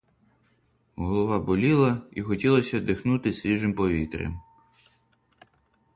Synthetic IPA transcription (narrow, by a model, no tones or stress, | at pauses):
ɦɔlˠɔʋɑbɔlʲilˠɐixɔtʲilˠɐsʲɐd̪ɪxnut̪ɪsʲʋʲiʒɪmpɔʋʲit̪ɾʲɛ̰m